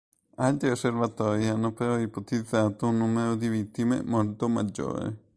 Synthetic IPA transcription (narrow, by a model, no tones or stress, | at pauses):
alt̪ɾiosːervat̪ɔːɾianːopeɾɔipot̪id̪zːaːt̪ounːuːmeɾod̪ivit̪ːimḛmolt̪omad͡ʒːo̰ːɾḛ